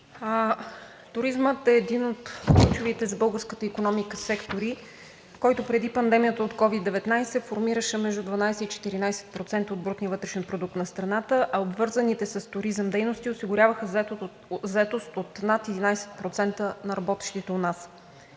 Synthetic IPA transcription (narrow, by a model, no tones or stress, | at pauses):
t̪ʊɾizmət̪ɛːd̪inot̪klʲut͡ʃʊvit̪ɛzbɤlˠɡəɾskət̪əikonɔmikəsɛkt̪oɾi | kɔjt̪opɾɛd̪ipɐnd̪ɛmijət̪əot̪kɔvid̪ːɛvɛt̪najsɛfoɾmiɾəʃɛmɛʒd̪ud̪vɐnajsɛit͡ʃɛ̥t̪iɾinajsɛ̥t̪̚pɾot̪sɛnt̪əod̪bɾut̪niəvɤt̪ɾɛʃnipɾod̪uk̚t̪nɐst̪ɾɐnat̪əʔɐobvɤɾzənit̪ɛsɐst̪ʊɾizəmd̪ɛjnost̪iʊsiɡʊɾʲjavəxəzɛt̪o | zɛt̪ost̪ot̪nat̪ɛd̪inajsɛ̥t̪̚pɾot̪sɛnt̪ənɐɾɐbɔt̪ɛ̥ʃt̪it̪ɛonas